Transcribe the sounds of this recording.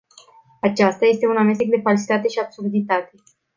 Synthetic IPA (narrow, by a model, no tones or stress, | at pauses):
at͡ʃast̪aje̞st̪e̞uname̞s̬t̪ek̚d̪e̞falsi̥t̪at̪e̞ʃiab̥surd̪it̪at̪e̞